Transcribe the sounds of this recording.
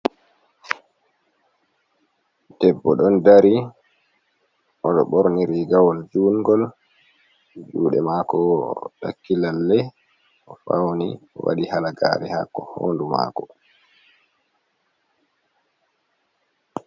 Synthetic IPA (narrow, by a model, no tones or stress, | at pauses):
d̥ɛbːɔɗɔndaɾi | ʔɔɗɔɓɔɾniɾiɡawɔld͡ʒuːŋɡɔl | d͡ʒuːɗɛmakɔɗa̰kːilalːɛ | ʔɔfawniɔwa̰ɗihalaɡa̰ːɾɛhakːɔho̰ːnduma̰ːkɔ